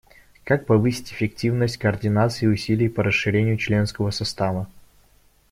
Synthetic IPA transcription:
kak̚pɐvɨsʲɪ̥tʲɪfʲɪktʲivnəsʲtʲkəːrdʲɪnat̪sɨɪʊsʲilʲɪjpəɾəsɨɾʲenʲɪjʊt͡ɕlʲe̞nskəvəsɐst̪avə

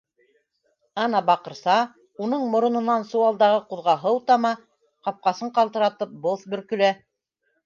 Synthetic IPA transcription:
ɑnɑbɑqɤ̆ɾsɑ | unɤɴmŏɾŏnɤ̆nːɑnsuwɑlˠd̪ɑʁɤquðʁɑɦɤwt̪ɑmɑ | qɑp̚qɑsɤɴqɑlˠt̪ɤ̆ɾɑt̪ɤp̚boθbɵ̆ɾkɵ̆læ

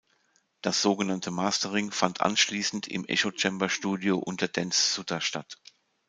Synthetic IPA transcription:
d̥asz̥oːɡənantʰəmaːstəʁɪŋfantʔa̰nʃliːsn̩tɪ̰mʔɛ̰ʃot͡ʃɛmbɐʃtuːdjoʔʊntʰɐd̥ɛnsːʊtʰɐʃtat

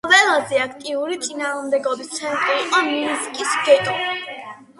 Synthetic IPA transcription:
vɛlˠazɛakʰt̪ʼiuɾit̪sʼinaːʁmd̪ɛɡɔbist̪sʰɛnt̪ʼɾiːqʼɔniiskʼisɡɛt̪ʼɔ

